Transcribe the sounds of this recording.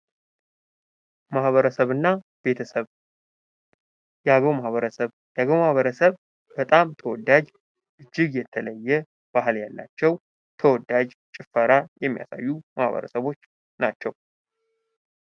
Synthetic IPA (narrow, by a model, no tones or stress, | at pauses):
mahβəɾəsəβɨnːa | b̥e̞t̪ʰəsəβ | jaɡəwmahβəɾəsəβ | jaɡəwmahβəɾəsəβ | b̥ət̪ʼamt̪ʰəwɔd̪ad͡ʒ | ʔɨd͡ʒːɪɡjɛt̪ʰələjːɛ | b̥ahɨljalːa̰t͡ʃːɛw | t̪ʰəwɔd̪ad͡ʒ | t͡ʃʼɪfəɾajɛmːija̰sa̰jːumahβə̰ɾə̰səβo̞t͡ʃː | nat͡ʃːɛw